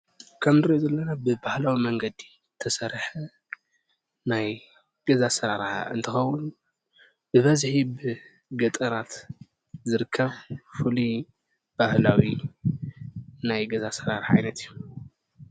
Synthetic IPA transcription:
kʰɐmzɨɾiozɐlːɐnabɨbahlawimɐŋɡɐd̪i | t̪ʰɐsɐɾħɐ | naj | ɡ̥ɐzasɐɾaɾħɨ̰nt̪ʰɨxɐwːunu | b̥ɨβɐzħibɨ | ɡɐt̪ʼɐɾat̪ | zɨɾɨkʰːɐβfɨlu | b̥ahlawi | najɡɐzasɐɾaɾħa̰jnɐt̪ijːu

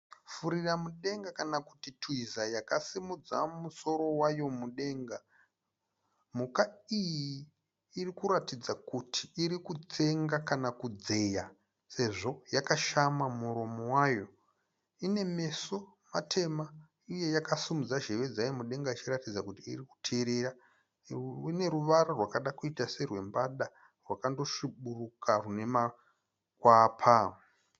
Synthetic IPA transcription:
fuɾiramuɗe̞ŋɡakanaku̥titwizajakasimud͡za̰muso̞ɾo̞wajo̞muɗe̞ːŋɡa | mukaijiː | rikuɾatid͡zakutʰi̥ːɾikut͡se̞ŋɡakanakud͡ze̞ja | se̞ʐo̞jakaʃamamuɾomowaːjo̞ | ine̞me̞so̞matʰe̞ma | ije̞jakasumud͡zaʒe̞ʋe̞d͡zajemuɗe̞ŋɡait͡ʃiratid͡zakutḭːriku̥tʰiɾeɾa | ine̞ɾuʋaɾorwakaɗakuitase̞rwe̞mbaɗa | rwakando̞ʃiɓurukarune̞ma | kwaːpʰa

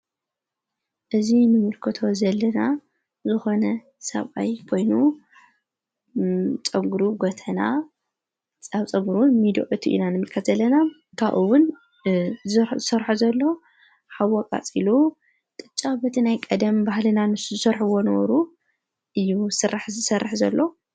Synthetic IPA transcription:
ʔɨzinɨmɨlkʰɨt̪ʰo̞zɐlːɐna | zɨxo̞nɐ | sɐ̰βʔa̰jkʰo̞jnu | t͡sʼɐɡuɾuɡot̪ʰɐna | aβt͡sʼɐɡuɾuwnmid̪o̰ʔɨt̪ʰiʔḭnanɨmɨlkʰɐɐlːɐna | kʰaʔuwʊn | zzɨsɐɾħuzɐlːo̞ | ħaβːɔkʼa̰t͡sʼilu | t̪ʼɨt͡ʃʼabɐt̪ʰinajkʼɐd̪ɐmbahlɨnanɨsuzɨsɐɾħuwo̞nɐβɐ̰ɾu | ʔɨjːusɨrːaħzɨsɐrːɨħzɐlːo̞

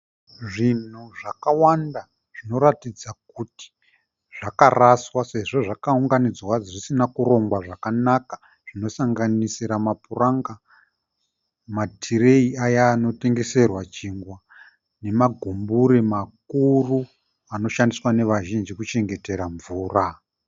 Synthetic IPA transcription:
ʐin̤uʐakawanda | ʐ̥ino̞ɾatid͡zakuti̥ | ʐ̥akaraswase̞ʐo̞ʐakauŋɡanid͡zwaʐisinakuɾo̞ŋɡwaʐakanakḁ | ʐ̥ino̞saŋɡanisiɾamapuraŋɡa | matʰire̞iajaːno̞te̞ŋɡe̞se̞rwat͡ʃiːŋɡwa | ne̞maɡʱumbuɾemak̚uru | ano̞ʃandiswane̞ʋaʒind͡ʒikut͡ʃe̞ŋɡe̞te̞ɾaɱvuːra

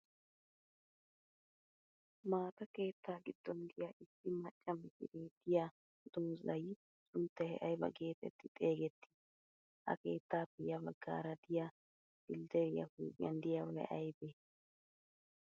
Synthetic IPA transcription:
maːt̪ɐke̞ːt̪ːaːɡɪd̪̥ːɔnd̪ɪjaʔɪsːɪmɐt͡ʃʼːɐmɪtɪ̰ɾeːd̪ɪja | d̪̥uːzɐj | t͡ʃʼʊnt̪ːɛhɛ̰ʔɐjbɐ̰ɡe̞ːt̪ɛ̰t̪ːɪt̪ʼe̞ːɡɛt̪ːɪ̥ | hɐ̰ke̞ːt̪ːaːpːɛjɐbɐɡːa̰ːɾɐd̪ɪja | dɪld̪ɛɾɪjɐ̰fuːkʼɪjɐ̰nd̪ɪjawhɛ̰ʔɐjbe

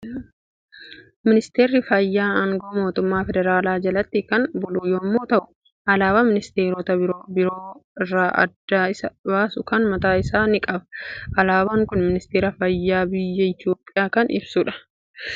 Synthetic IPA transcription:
mɪnɪst̪eːɾːɪfɐjːaːɐŋɡoːmo̞ːt̪ʊmːaːfɛd̪ɛɾaːlaːd͡ʒɐlɐt̪ːɪkɐnbʊlujɔmːoːt̪ɐʔʊ̥ | ʔɐlaːbɐmɪnɪst̪e̞ːɾoːt̪ɐɾobɪɾoːɪrːaːʔɐ̰d̪ːaːɪsɐbaːsʊkɐnmɐt̪aːɪsaːnɪkʼɐbɐ̥ʔɐlaːbaŋkʊnmɪnɪst̪eːɾɐfɐjːaːbɪjːɐɪt̪joːpʼːɪjaːkɐnɪ̰bsʊːᶑɐ̥

